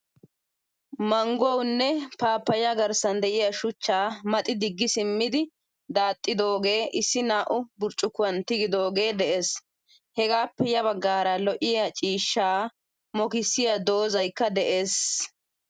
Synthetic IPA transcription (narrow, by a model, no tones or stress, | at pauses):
mɐŋɡɔwnːɛpaːpːɐjɐɡɐɾsɐnd̪ɛʔɪjɐʃʊt͡ʃːaːmɐt̪ʼɪd̪ɪɡːɪsɪmːɪd̪ɪ | d̪aːt̪ʼːɪd̪o̞ːɡe̞ːʔɪsːɪnaːʔʊbʊɾt͡ʃʼːʊkːʊwɐnt̪ɪɡɪd̪o̞ːɡe̞ːd̪ɛʔe̞ːs | hɛɡaːpːɛjɐβɐɡːaːɾɐlɔʔɪjat͡ʃʼiːʃːaː | mɔkɪsːɪjad̪o̞ːzɐjkːɐd̪ɛʔe̞ːs